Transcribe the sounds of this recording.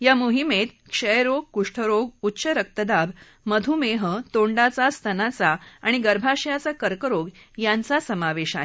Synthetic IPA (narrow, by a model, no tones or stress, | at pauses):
jamuɦimet̪kʂəjɾoɡ̚kuʂʈʰəɾoɡutːɕəɾək̚t̪əd̪ab | məd̪ʱumeɦət̪oɳɖat͡sast̪ʰənat͡saaɽ̃iɡəɾbʱaʂjat͡sakəɾkəɾoɡjant͡sasəmaʋeɕaɦe